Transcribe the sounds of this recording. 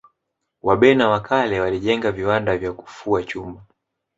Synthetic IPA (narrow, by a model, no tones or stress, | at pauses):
waɓɛnawakʰalɛwaliʄɛŋɡaviwandavjaku̥fuat͡ʃumba